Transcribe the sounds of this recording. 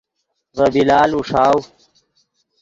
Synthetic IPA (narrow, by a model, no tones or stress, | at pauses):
vɐbilaːluʂaːw